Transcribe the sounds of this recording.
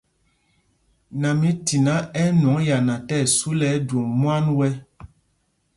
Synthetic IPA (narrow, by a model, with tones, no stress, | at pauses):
na˨mĩ˦ti˨na˨˦ɛ˦n˨ɔ˨˦ŋja˨nã˨tɛ˦˨su˦lɛ˨˦do˨ŋmwa˦nwɛ˦